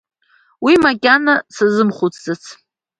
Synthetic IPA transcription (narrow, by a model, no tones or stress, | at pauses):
wimakʲʼanasazɨmχut͡sʰʼd͡zat͡sʰ